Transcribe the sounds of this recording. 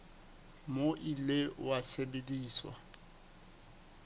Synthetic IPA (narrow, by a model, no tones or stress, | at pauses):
moʔilewasebediːswa̰